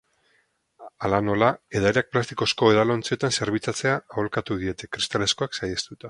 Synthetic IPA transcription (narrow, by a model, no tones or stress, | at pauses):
alano̞lae̞ðaɾeak̚plast̪iko̞sko̞eðalo̞nt͡sio̞t̪anse̞ɾβit͡sat͡se̞aːolkat̪uðie̞t̪e̞kɾist̪ale̞sko̞aksajast̪ut̪a